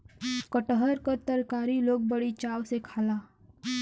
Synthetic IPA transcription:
kəʈəɦəɾkəɾt̪əɾkaːɾiloːɡ̚bəɽit͡ʃaːwsekʰaːlaː

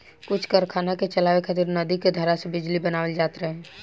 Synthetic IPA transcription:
kʊt͡ʃʰkəɾkʰaːnaket͡ʃəlaːwekʰət̪iɾnəd̪iked̪ʱəɾasebɪd͡ʒlibənaːʋəld͡ʒaːt̪ɾɛɦɛ̃ː

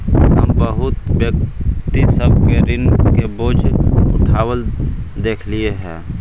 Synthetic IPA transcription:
ɦəmbəɦʊt̪bjək̚t̪isəb̚keɾɪnkeboːd͡ʒʊʈʰaːwəld̪eːkʰlieɦɛ̰̃ː

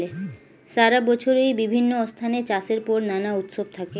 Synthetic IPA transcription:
le | ʃaɾabɔt͡ɕʰoɾejbibʱinːoɔst̪ʰanet͡ɕaseɾpɔɾnanaut̪ʃob̚t̪ʰake

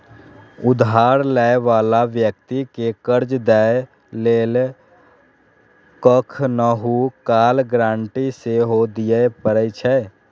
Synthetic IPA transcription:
ʊd̪ɦaːɾlɛːeʋaːlaʋjək̚t̪ikekəɾd͡ʒd̪ɛe | leːl | kəkʰnəɦukaːlɡɾãːɳʈiseɦod̪ijepəɾət͡ʃʰɛ

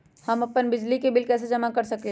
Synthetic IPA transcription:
hɐmɐpənbɪd͡ʒlikebɪlkɛːs̬ed͡ʒɐmakɐɾsɐkle

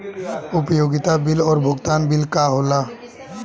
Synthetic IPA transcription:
ʊpjoːɡɪt̪abɪlɔːɾbʱʊɡt̪aːnbɪlkaɦoːlaː

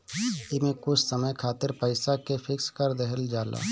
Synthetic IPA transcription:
ɪmẽkʊt͡ʃʰsəməjkʰaːt̪ɪɾpəɪsakepʰɪkskəɾd̪əɦəld͡ʒaːla̰ː

